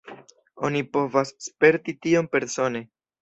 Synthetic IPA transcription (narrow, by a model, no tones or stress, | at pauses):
o̞nipo̞vasːpe̞ɾtitio̞mpe̞ɾso̞ne̞